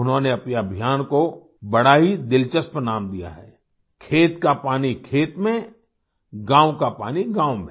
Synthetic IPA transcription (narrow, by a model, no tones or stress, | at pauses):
ʊnɦõneɐpjabʱijaːnko | bɐɽaɦid̪ɪlt͡ʃəspɾənaːmd̪ija̰ɦɛ̰ː | kʰeːt̪kapaːnikʰeːt̪mẽ | ɡãːwkapaːniɡãːwmẽ